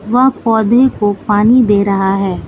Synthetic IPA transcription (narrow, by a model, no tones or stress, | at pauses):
ʋɐɦpɔːd̪ʱekopaːnid̪eːɾɐɦaɦɛː